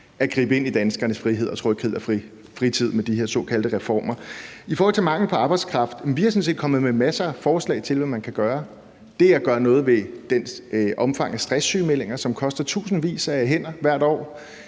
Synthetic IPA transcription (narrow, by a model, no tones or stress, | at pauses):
ʔæɡ̥ʁḭːb̥əe̝nid̥ænsɡ̥ɐnəsfʁiɦeð̰ˠɒt͡sʰʁoɔ̰kʰeð̰ˠɐfi | fʁit͡sʰið̞̰ˠmed̥iɦe̝ɐ̰sɔ̰̽ːkʰæld̥əʁɛfɒ̰ːmɐifɔːhɒlt͡sʰe̝mɑ̈ŋl̩pʰɒ̽ɑ̈ːb̥aɪ̥skʰʁɑ̈fd̥nʋihɑ̈sɔns̬e̝̰ːd̥kʰɒ̽mð̞̩ˠmemæsɐfɒːslɛ̰ɪt͡sʰe̝lʋæmænkʰæɡ̥ɶːɐ | d̥e̝ææɡ̥ɶːɐnɔ̽ːð̞̩ˠʋe̝d̥enʔɒ̽mfɑ̈ŋ̰æsd̥ʁɛsːy̰ːmel̰e̝ŋɐsɒ̽mkʰɒ̽sd̥ɐt͡sʰṵːsn̩ʋḭːsæɦen̰ɐʋæɐ̰d̥ɒ̰ː